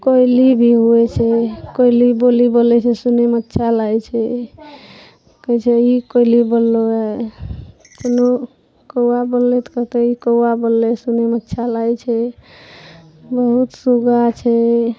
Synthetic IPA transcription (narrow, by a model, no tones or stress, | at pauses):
kɔjlibʱiɦuɛt͡ʃʰɛkɔilibolibolɛt͡ʃʰɛsunemət̪ːʃʰalajt͡ʃʰɛ | kəjt͡ʃʰɛikɔilibolloɛ | t̪uno | kəabolːet̪kət̪eikowabolːesunemətːt͡ʃʰalajt͡ʃʰɛ | bəɦut̪suɡat͡ʃʰɛ